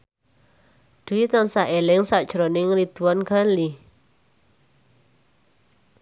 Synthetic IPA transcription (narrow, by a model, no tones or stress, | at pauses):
d̪̥uit̪ɔnsaʔelɪŋsad̥ʒ̥ɾonɪŋɾid̪̥uanɡ̥ali